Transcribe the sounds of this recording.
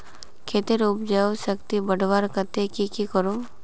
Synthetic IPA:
kʰeːt̪iɾʊpd͡ʒɛoʃəkt̪ibəɽʋaɾkət̪ekikikəɾo

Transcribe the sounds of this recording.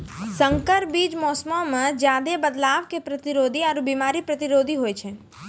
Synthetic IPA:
sə̃ŋkəɾbiːd͡ʒmɔːsmõmə̃d͡ʒjaːd̪ebəd̪laːʋkepɾət̪ɪɾoːd̪ʱiɔɾbiːmaːɾipɾət̪ɪɾoːd̪ʱiɦoːet͡ʃʰɛ

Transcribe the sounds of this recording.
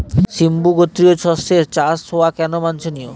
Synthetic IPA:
ʃimbuɡot̪ːɾiot͡ɕʰɔseɾt͡ɕasoakɛnomant͡ɕʰonio̰

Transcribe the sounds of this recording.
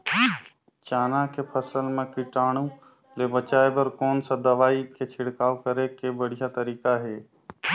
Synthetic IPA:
t͡ʃaːnãːkʰeːpʰəsəlmẽːkɪʈaːɳ̃ũː | leːbət͡ʃaːebəɾkoːnsad̪əʋaːikʰet͡ʃʰɪɽkaːʊkəɾekeːbəɽ̤ɪjaːt̪əɾiːkaɦeː

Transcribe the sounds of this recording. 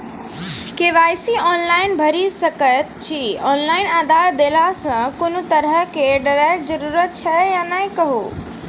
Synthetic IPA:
keʋaːjsiɔːnlaːɪnbʱəɾisəkət̪t͡ʃʰiɔːnlaːɪnaːd̪ʱaɾd̪elasə̃konot̪əɾɦəkeɖəɾaʈ̚d͡ʒəɾuːɾət̪̚t͡ʃʰɛjanaĩkəɦo

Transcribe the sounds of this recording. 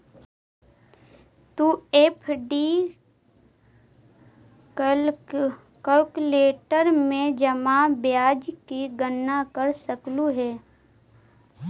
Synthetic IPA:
t̪ueːpʰɖi | kəlkleːʈəɾmẽd͡ʒəmabjaːd͡ʒkiɡənːakəɾsəkluɦɛː

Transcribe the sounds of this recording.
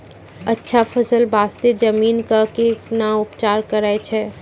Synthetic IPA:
ɐtːʃʰafʰəsəlbʱaːst̪ed͡ʒɐmiːnkakeknaʊpt͡ʃaːɾkɐɾaːet͡ʃʰɛ

